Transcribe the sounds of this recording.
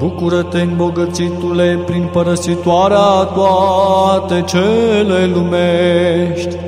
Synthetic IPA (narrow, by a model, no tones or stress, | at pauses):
bukuɾət̪enboɡət͡sit̪ulejpɾinpəɾəsit̪waɾjat̪wat̪et͡ʃʰelelumeʃt̪